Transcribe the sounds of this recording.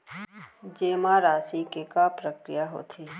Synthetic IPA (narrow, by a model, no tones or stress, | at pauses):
d͡ʒeːmaɾaːsikekapɾəkɾɪjaɦo̰t̪ʰeː